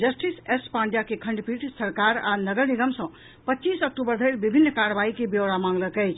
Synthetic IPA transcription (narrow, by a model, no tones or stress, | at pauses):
d͡ʒəsʈisespaɳɖjakekʰəɳɖpiʈsəɾkaɾanəɡəɾniɡəmsʌ̃ | pətːt͡ʃisək̚ʈubəɾd̪ʱəjɾbibʱinːkaɾbaikebjewɽamãŋɡləkəjt͡ʃʰ